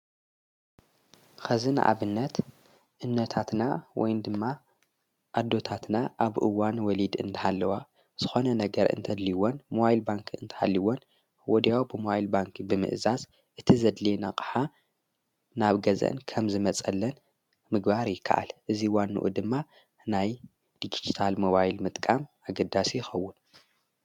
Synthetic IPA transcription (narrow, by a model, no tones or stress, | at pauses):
xɐzɨna̰ʔa̰βɨnːɐt̪ | ʔɨnːɐt̪ʰat̪nawɔ̰jnd̪ɨmːa | ʔad̪ːo̞t̪ʰat̪naʔaβʔɨwanwɔlid̪ɨ̰nt̪ʰɐhalːɐwa | z̥ɨxo̞nɐnɐɡɐɾʔɨ̰nt̪ʰɐd̪liwonmoajlbaŋkʰiɨ̰nt̪ʰɐ̥halːiwon | wɔd̪jawbɨmowajlbaŋkʰbɨmɨ̰ʔzaz | ʔɨt̪ʰizɐd̪lenakʼḁħa | naβɡɐzɐ̰nkʰɐmzɨmɐt͡sʼɐlːɐn | mɨɡbaɾjɪkʰːa̰ʔa̰lʔɨziwanːṵʔṵd̪ɨmːa | naj | d̪id͡ʒid͡ʒit̪ʰalmo̞βajlmɨt̪ʼkʼamʔaɡɐd̪ːasijjɪxɐwːʊn